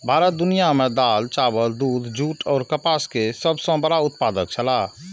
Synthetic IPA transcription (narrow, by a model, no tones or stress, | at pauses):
bʱaːɾət̪̚d̪unijamed̪alt͡ʃabəld̪uːd̪ʱd͡ʒuːʈɔːɾkəpaskesəbsə̃bəɽaut̪̚pad̪ək̚t͡ʃʰəla